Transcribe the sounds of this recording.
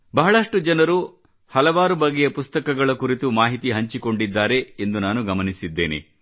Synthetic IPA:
bɐɦɐɭɐʂʈud͡ʒɐnɐɾu | hɐlɐʋaːɾubɐɡːejɐpust̪ɐkɐɡɐɭɐkuɾit̪umaːɦit̪iɦɐɲt͡ʃiko̞ɳɖid̪ːaːɾe̞end̪unaːnuɡɐmɐnisid̪ːḛːnḛ

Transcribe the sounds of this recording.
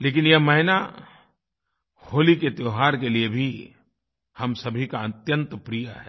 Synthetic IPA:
leːk̬ɪnjɐɦmɐɦɪna | hoːliket̪joːɦaːɾkeliebʱi | hɐmsɐbʱikaɐt̪jə̃nt̪pɾijaɦɛ̰ː

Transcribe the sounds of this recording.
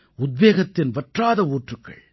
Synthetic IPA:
ʊd̪̚ʋeːɣɐt̪ːɪnʋɐʈraːðɐuːʈrɯkːɐ̰ɭ

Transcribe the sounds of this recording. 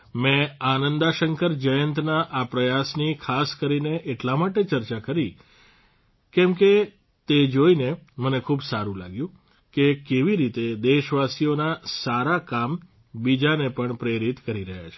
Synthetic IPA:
mɛ̃anənd̪aʃəŋkəɾd͡ʒəjənt̪naʔapɾəjasnikʰaskəɾineʔeʈlamaʈet͡ʃəɾt͡ʃakəɾi | kɛmke | t̪ed͡ʒoinemənekʰuːbsaɾũla̰ɡjũ | kekeʋiɾit̪ed̪eʃʋasijonasaɾakam | bid͡ʒanepəɳpɾeɾit̪kəɾiɾəɦja̰t͡ʃʰe̥

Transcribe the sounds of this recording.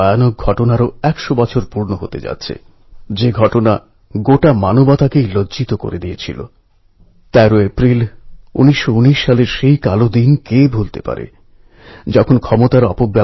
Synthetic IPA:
janok̚ɡʱɔʈonaɾoɛkʃobɔt͡ɕʰoɾpuɾnoɦot̪ḛd͡ʑa̰t̪ːɕʰḛ | d͡ʑeɡʱɔʈona | ɡoʈamanobat̪akejloit̪oko̰ɾed̪iet͡ɕʰilo̰ | t̪ɛɾoepɾilṵniʃːouniʃːaleɾʃejkalod̪inkebʱult̪epa̰ɾḛ | d͡ʑɔkʰonkʰɔmot̪aɾɔpobːa

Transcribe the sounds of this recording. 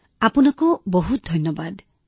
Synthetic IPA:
apunaŋkubɔɦut̪̚d̪ʱɔnjɔbad̪

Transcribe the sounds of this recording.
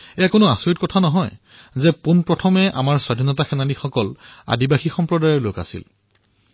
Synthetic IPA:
ɛjakonʊasoɹitkɔtʰanɔɦɔj | zɛponpɹɔtʰɔmɛʔa̰maɹswadʱinɔtaxɛnalixɔkɔla̰dibaxixɔmpɹɔdajɔɹloka̰sḭl

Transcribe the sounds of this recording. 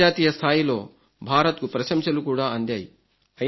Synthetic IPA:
aːt̪iːjɐst̪ʰaːjilo̞ː | bʱaːɾɐt̪kupɾɐʃɐmʃɐlukuːɽaːɐnd̪jaːji | ɐ

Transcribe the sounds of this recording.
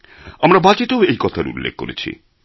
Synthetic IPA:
amɾabad͡ʑeʈaoejkɔt̪ʰaɾṵlːḛk̚kːo̰ɾet͡ɕʰḭ

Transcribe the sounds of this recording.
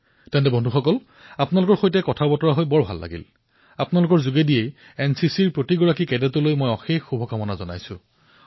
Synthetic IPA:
tɛntɛbʱɔndʱuxɔkɔl | apʊnalʊkɔɹxojtɛkɔtʰabɔtɔɹaɦojbɔɹbʱa̰lːa̰ɡḭl | apnalʊkɔɹzuɡedijej | ɛnsisiɹpɹotiɡɔɹakikɛdɛtɔlojmojɔxexubʱɔkamɔnazɔna̰jsʊ̰̃

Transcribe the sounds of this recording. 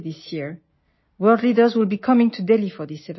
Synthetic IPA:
ðisjiɹ | wɜ˞ldlidə˞zwilˠbikʰʌmɪ̃ŋtʰudɛlifɔ˞ðisɛv

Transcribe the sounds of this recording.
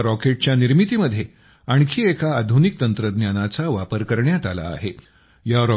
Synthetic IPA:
ɾɔkeʈ̚t͡ɕjaniɾmit̪iːməd̪ʱːje | aɳ̃kʰiːekʰaːd̪ʱunik̚t̪ənt̪ɾəd̪njanat͡saʋapəɾkəɾɳjat̪ala̰ːɦe | jaɾɔ

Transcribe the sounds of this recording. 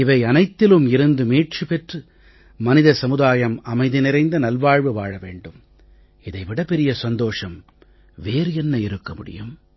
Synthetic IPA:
ɪʋɐɪɐnɐɪt̪ːɪlɯmɪɾɯnd̪ɯmeːʈ̚t͡ʃɯpɛʈrɯ | mɐnɪðɐsɐmɯðaːjɐmɐmɐɪðɯnɪɾɐɪnd̪ɐnɐlʋaːɻʋɯʋa̰ːɻɐʋḛːɳɖɯm | ɪðɐɪʋɪɽɐpɛɾɪjɐsɐnd̪oːʂɐm | ʋeːɾɯɛnːɐɪɾɯkːɐmʊɽɪ̰jɯ̰m

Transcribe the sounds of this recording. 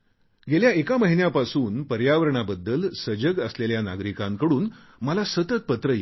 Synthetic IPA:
ɡeljaekaməɦinjapasuːnpəɾjaʋəɾəɳabəd̪ːəlsəd͡ʑəɡəsleljana̰ɡɾikãŋkəɽuːn | məlasət̪ət̪̚pət̪ɾəje

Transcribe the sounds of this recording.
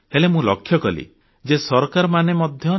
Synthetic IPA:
helemũlɔkʰːjɔkɔlḭ | d͡ʒesɔɾɔkaɾɔmanemɔd̪ʱjɔ

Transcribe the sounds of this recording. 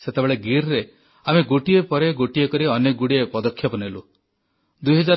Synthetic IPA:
set̪ebeɭeɡiɾɾe | ameɡoʈiepɔɾeɡoʈiekɔɾiɔneɡuɽiepɔd̪ɔkʰːjɔpɔnelu | d̪ujɦɔd͡ʒaɾ

